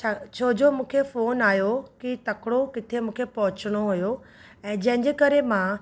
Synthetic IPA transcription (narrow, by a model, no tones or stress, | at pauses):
t͡ɕʰaːt͡ɕʰoːd͡ʑomũːkʰefoːnaːjokit̪ɐkɽokɪt̪ʰemũːkʰepɐɦʊt͡ɕəɽ̃oɦujo | ɛ̃ːd͡ʑɐ̃ɦɪ̃ɲd͡ʑekɐɾemã